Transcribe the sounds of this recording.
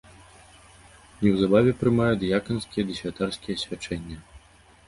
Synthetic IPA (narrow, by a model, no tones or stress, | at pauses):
nʲɛwzabavʲɛpɾɨmajut̪jakɐnskʲijɛd̪ɨsʲvʲat̪arskʲijɛsʲvʲat͡ʂɛnʲːɐ